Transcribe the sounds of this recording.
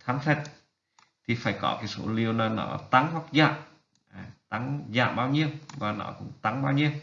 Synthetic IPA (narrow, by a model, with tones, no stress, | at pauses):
t̪ʰaː˨˦ŋfʰɛ˨˧˩t̚ | t̪ʰi˨˩faː˧˩jkɔ̰˧˩kaː˨˦jso̰˧˥li˧əwnɔ˨˧˦nɔ̰˧˦t̪a˨˦ŋhwa˧˥k̚za̰ː˧˨m | ʔaː˨˩t̪a˨˦ŋza̰ː˧˨mɓaː˧wɲi˧əwvaː˨˩nɔ̰˧˥kʊ̰˧˥ŋ͡mt̪a˨˦ŋɓaː˧wɲi˧əw